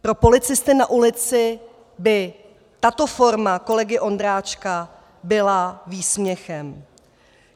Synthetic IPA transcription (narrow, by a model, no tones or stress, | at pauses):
pɾo̞po̞lɪt͡sɪst̪ɪnaʔulɪt͡sɪ | bɪ | t̪at̪o̞fo̞ɾmako̞lɛɡɪʔo̞nd̪ɾaːt͡ʃka | bɪlaviːsmɲɛxɛm